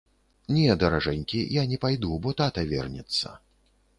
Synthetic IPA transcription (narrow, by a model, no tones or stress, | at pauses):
nʲɛd̪ɐɾaʐɛnʲkʲijanʲɛpajd̪ubɔt̪at̪ɐvʲɛ̰rnʲɛ̰t̪sːɐ̰